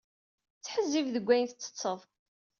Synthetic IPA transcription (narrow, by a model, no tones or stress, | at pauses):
t͡sːħəzːivðəɡʷːæjənθət͡sːə̥t͡sˤːəðˤ